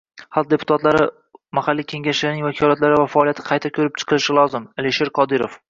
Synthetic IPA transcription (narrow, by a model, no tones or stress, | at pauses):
halˠq̚d̪e̞pʰʊ̥t̪ʰat̪laɾɪ | mahalːiːkʲʰe̞ŋʲaʃlɪnɪŋvakʲʰɒlat̪laɾɪvafaːlijat̪ʰɪ̥qʰɑjt̪ʰakʲʰɵɾɪp̚t͡ʃʰɨ̥qʰɨlˠɪʃɪlˠɒzɪmeliʃe̞ɾqʰɒd̪ɪɾof